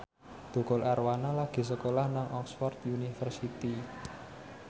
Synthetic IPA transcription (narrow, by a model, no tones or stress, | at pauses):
d̪̥o̤kɔlarwanalaɡ̥i̤s̬əkolahnaŋʔɔksfɔrt̪junifərsit̪i